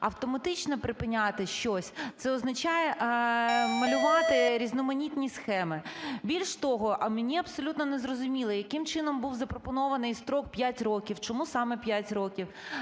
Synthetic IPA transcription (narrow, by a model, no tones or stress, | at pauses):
ɐwt̪ɔmɐt̪ɪt͡ʃnɔpɾɪpɪnʲat̪ɪʃt͡ʃɔsʲt̪sɛɔznɐt͡ʃɑjɛʔ | mɐlʲʊʋɑt̪ɪɾʲiznɔmɐnʲit̪ʲnʲisxɛmɪbʲilʲʃt̪ɔɦɔʔɐmenʲiɐbsɔlʲut̪nɔnɛzrɔzʊmʲilˠɪjɐkɪmt͡ʃɪnɔmbuwzɐpɾɔpɔnɔʋɐnɪjst̪ɾɔk̚pʲjatʲrɔkʲiwt͡ʃɔmusɑmɛpʲjatʲɾɔkʲiw